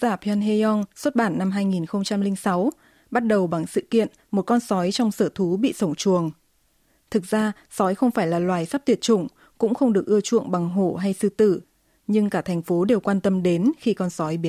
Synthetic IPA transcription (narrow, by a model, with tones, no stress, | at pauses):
zaː˧˩pʰa˧nɦe˧ɔ˧nswt̚ɓaː˧˩nːa˧mɦaː˧jŋi˨˩nxə˧wŋ͡mt͡ɕa˧mlï˧ŋ̟sa˨˦w | ɓa˦˥t̚ɗə˨˩wɓa˨˩ŋsɨ̰˧˨kḭ˧˨ən | mo˨˩t̚kɔ˧nsɔ˨˦jt͡ɕɔ˧wŋ͡msəː˧˩t̪ʰu˨˦ɓḭ˧˨sə˧˩wŋ͡mt͡ɕu˨˩əŋ | t̪ʰɨ˨˩k̚z̥aː˧ | sɔ˨˦jxə˧wŋ͡mfaː˧˩jlaː˨˩lwaː˨˩jsaː˦˥p̚t̪ʰi˨˩ət̚t͡ɕʊ˧˩ŋ͡m | kʊ̰˧˥ŋ͡mxə˧wŋ͡mɗɨ˨˩ək̚ʔɨ˧ət͡ɕṵ˧˨əŋɓa˨˩ŋɦo˧˩ɦa˧jsɨ̰˧˨t̪ɨ˧˩ | ɲɨ˧ŋkaː˧˩t̪ʰɛ˨˩jŋ̟fo˨˦ɗe˨˩wkwaː˧nt̪ə˧mɗe˨˦nxi˧kɔ˧nsɔ˨˦jɓi˨˦ə